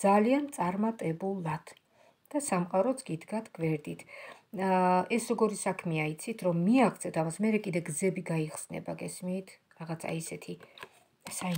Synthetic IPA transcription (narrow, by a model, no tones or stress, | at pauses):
d̪z̥aliant̪sʼaɾmat̪ʼɛbulˠad̪̥ | d̪̥asamqʼaɾɔt̪sʰɡ̥id̪ɡat̪ʰɡ̥vɛɾd̪it̪ʰ | ɛsɾɔɡɔɾisakʰmiait̪sʰit̪ʰɾɔmːiaχt̪sʰɛt̪ʰamasmɛɾɛkʼid̪ɛɡzɛbiɡaiχsnɛ̰baɡɛsmiːt̪ʰ | ɾaʁat̪sʰa̰isɛt̪ʰi | sa